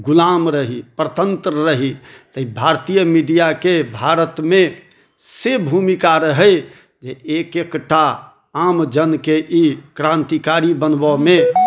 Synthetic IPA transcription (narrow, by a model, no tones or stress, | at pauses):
ɡulamɾəɦipɾət̪ənt̪ɾəɾəɦit̪əibʱaɾt̪ijəmiɖijakebʱaɾət̪me | sebʱumikaɾəɦə | d͡ʒeekekʈʰa | amd͡ʒənkeʔikɾãnt̪ikaɾibənbɔme